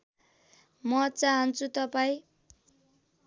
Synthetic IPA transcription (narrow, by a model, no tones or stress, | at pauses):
mʌt͡saɦʌnt͡sʰut̪ʌpaĩ